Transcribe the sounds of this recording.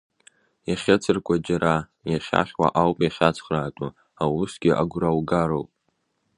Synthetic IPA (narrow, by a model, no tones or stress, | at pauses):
jaχʲɪt͡sʰɨrkʷʼad͡ʒaɾa | jaχʲa̰χʲwa̰ʔawpʼjaχʲat͡sʰχraːtʼa | awusɡʲɪʔaɡʷrawɡaɾowpʼ